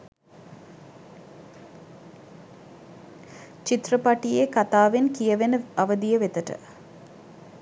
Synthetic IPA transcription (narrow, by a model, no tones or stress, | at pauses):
t͡ʃit̪rəpaʈijekat̪aːʋenkijəʋenəɐʋəd̪ijəʋet̪əʈə̰